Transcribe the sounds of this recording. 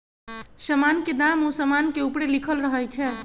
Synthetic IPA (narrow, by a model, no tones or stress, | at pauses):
səmanked̪amosəmankeupɽelikʰəlɾəɦəjt͡ʃʰɛ